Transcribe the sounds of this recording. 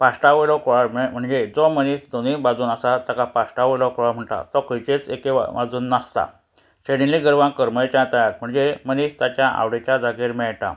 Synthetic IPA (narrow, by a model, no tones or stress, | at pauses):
pasʈaʋelɔkɔɭamm̤əɳd͡zed͡zɔməniːsd̪onibad͡zuːnasat̪akapasʈaʋəlɔkɔɭam̤əɳʈ̪a̰t̪ɔkəɭt͡ɕet͡sekea̰ʋad͡zuːnːast̪a̰ | ɕeɽiliɡəɾʋãkəɾmət͡ɕjãt̪ajat̪̚m̤əɳd͡zeməniːst̪jat͡ɕjaʔa̰ʋɽet͡ɕjad͡zaɡiɾmɛɭʈa̰